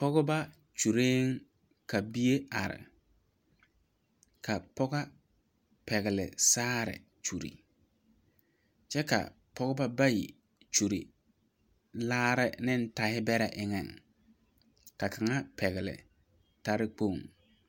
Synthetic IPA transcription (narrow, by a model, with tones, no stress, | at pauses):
pɔ˦ɣʊ˦ba˦ | t͡ʃu˨ɾeː˦ŋ | ka˨bi˦e˦a˨ɾɪ̰˨ | ka˨pɔ˦ɡa˦ | pɛ˨ɣɪ˨lɪ̰˨saː˦ɾɪ̰˨ | t͡ʃu˨ɾḭ˨ | t͡ʃɛ˦ka̰˨ | pɔ˦ɣʊ˦ba˦ba˦jḭ˨ | t͡ʃu˨ɾḭ˨ | laː˦ɾɪ˦nɪ˦n̩˦ta˨hɪ˦bɛ˦ɾɛ˨ʔɪ˦ŋɛ˨ŋ | ka˨kʰa˨ŋa˦pɛ˨ɣɪ˨lɪ̰˨ | ta˦ɾɪ˦k͡po˦˨ŋ